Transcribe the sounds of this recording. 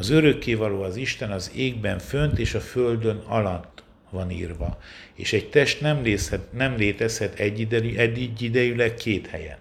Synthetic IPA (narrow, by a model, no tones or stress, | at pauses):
ɒzøɾø̞kːeːvɒloːɒziʃt̪ɛnɒzeːɡ̚bɛɱfø̞nt̪eːʃɒføld̪ønɒ̰lɒt̪ː | ʋɒnḭːrvɒ̰ḛːʃɛɟt̪ɛʃt̪nɛmlnɛmleːt̪ɛshɛt̪ɛiɛd̪ːiɟːid̪ɛjylɛkːeːt̪hɛ̰jɛ̰n